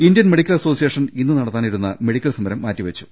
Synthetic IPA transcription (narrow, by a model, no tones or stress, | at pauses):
indjɐnme̞ɽikʲːɐlɐso̞ːsijeːʂɐninːuɨnɐɽɐt̪ːaːniɾunːɐme̞ɽikʲːɐlsɐmɐɾɐmːaːtːiʋɐt͡ɕːu̥